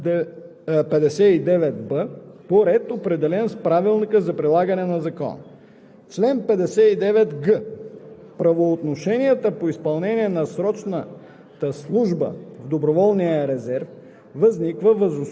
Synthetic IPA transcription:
pɛd̪ɛsɛid̪ɛvɛt̪bəpoɾɛt̪opɾɛd̪ɛlɛnspɾavilˠnikəzɐpɾilˠaɡənɛnɐzɐkɔ̰n̰ | t͡ʃlɛnpɛd̪ɛsɛid̪ɛvɛt̪ɡə | pɾɐvoːt̪noʃɛniɛt̪əpoispɐlˠnɛniɛnɐsɾɔt͡ʃnə | t̪əslˠuʒbə̰vd̪obɾovɔlˠnijəɾɛzɛɾf | vɐznikvəvəzo

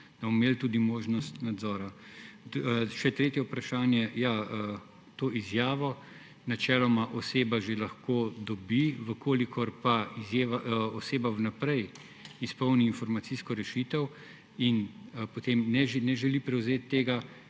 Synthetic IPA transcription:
d̪̥abɔmːeːlt̪ud̪imoːʒnɔst̪nad̪zɔːɾa | ʃɛt̪ɾeːt̪jɛwpɾaʃaːnjɛjaə | t̪oːʔizjaːʋɔ | nat͡ʃɛːlɔmaʔɔseːbaʒelaxkoːd̪ɔbiʋəkʰoːlikʰɔɾpaizjeːʋaoseːbaʋnapɾɛj | ispɔwniːnfɔɾmat̪siskɔɾɛʃit̪ɛw | inpot̪emnɛnɛʒɛlipɾɛwzeːt̪ːeːɡa

